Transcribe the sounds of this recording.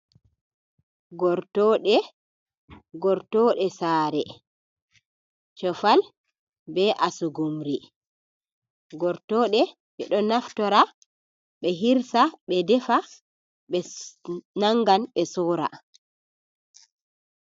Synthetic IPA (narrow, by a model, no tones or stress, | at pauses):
ɡɔɾtɔɗɛ | ɡɔɾtɔːɗɛsaːɾɛ | t͡ʃɔfal | bɛʔasuɡumɾi | ɡɔɾtɔːɗɛ | ɓɛɗɔnaftɔɾa | ɓɛɦiɾsaɓɛdɛfa | ɓɛ | naŋɡanɓɛsɔːɾa̰